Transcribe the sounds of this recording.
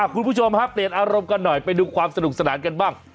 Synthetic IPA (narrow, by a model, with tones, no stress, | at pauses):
a˨˩kʰu˧npʰu˥˩t͡ɕʰo˧mhaː˥˩pli˨˩ənʔaː˧ɾo˧mka˧nːɔ˨˩jpa˧jduː˧kʰwaː˧msa˧du˨˩k̚sa˧naː˩˦nka˧nbaː˥˩ŋ